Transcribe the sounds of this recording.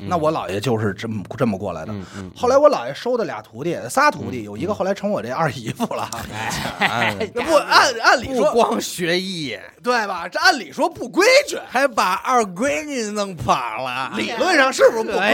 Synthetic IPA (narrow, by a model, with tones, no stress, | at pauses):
na˥˩wɔ˧˥lɑ̰˨˩ʊjɛ̰˨˩t͡ɕjo˥˧ʊʂɻ̩˥˧ʈ͡ʂə˥ʈ͡ʂə˥˩nmə˩kwɔ̰˥˩la̰˧˥ɪd̪ə̰˧xo˥˩la˧˥ɪwɔ˧˥lɑ˨˩ʊjɛ˨˩ʂo˥ʊd̪ə˨lja̰˨˩t̪ʰu˧˥t̪ji˥˩ə˧˩sa˥t̪ʰu˧˥t̪i˧˩jo˨˩ʊi˧˥ɡə˧xo˥˩ʊla˧˥ɪʈ͡ʂʰɤ˧˥ŋwɔ˨˩ʈ͡ʂə˥˧˩a˥˩i˧˥fu˥˩lə̰˨ | pu˥˩a˥˩na˥˩nli˨˩˧ɔ˥kwɑ˥ŋɕɥɛ˧˥i˥˩ | t̪we˥˩ɪbɐ˨˩˧a˥˩nli˨˩ʂwɔ˥pu˥˩kwe˥ɪt͡ɕy˥˩xa˧˥ɪpa˨˩ʔɐ˞˥˩kwe˥ɪni˧˩nɤ˧˥˩ŋpʰa˨˩lə˦li˨˩lwə˥˧nʂɑ˥˧ŋʂɻ̩˥˩bu˩ʂ̩˧pu˥˩